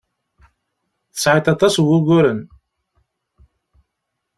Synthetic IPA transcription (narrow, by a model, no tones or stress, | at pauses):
θə̥sʕit̪ɑt̪ˤɑswuɣʷʊɾən